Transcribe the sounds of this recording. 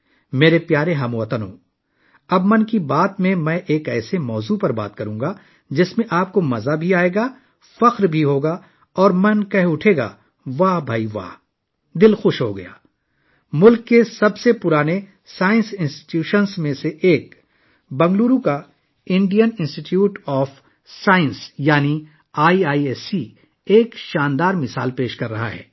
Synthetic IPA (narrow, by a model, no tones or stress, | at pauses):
meːɾepjaːɾeɦɐmuʋɐt̪ənɦõ̰ː | ɐbmɐnkibaːt̪mẽmɛ̃ʔeːkɛːsemɔːzupɐɾba̰ːt̪kɐɾũːŋɡa | d͡ʒɪsmẽʔaːp̚komɐzabʱiaːeːɡaː | fɐqɾbʱiɦoːɡa | ɔːɾmɐnkɐɦʊʈʰeːɡa̰ː | ʋaːɦbʱaːiʋa̰ː | d̪ɪlxʊʃɦoɡɐ̰ja̰ː | mʊlkːesɐbsepʊɾaːne | saːɪ̃nsɪ̃nsʈɪ̥ʈjuːʃənsmẽseʔeːk̚ | bɐ̃ŋɡluːɾũka | ɪ̃ɳɖijənɪ̃nsʈɪʈjuːʈɔːf | saːə̃nsjaːni | aːiaːieːsi | eːkʃaːnd̪aːɾmɪsa̰ːlpeːʃkɐɾːɐɦa̰ɦɛ̰ː